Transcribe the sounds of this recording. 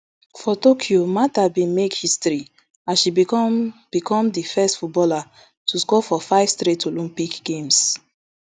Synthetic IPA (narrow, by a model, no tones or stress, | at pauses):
fɔtokʰjomatabĩmekhistɾi | ãʃi | b̥ikʰɔ̃mdifɛstfut̚bɔla | tʰuskɔfɔfaɪv̥stɾetolĩmpikɡ̥ẽms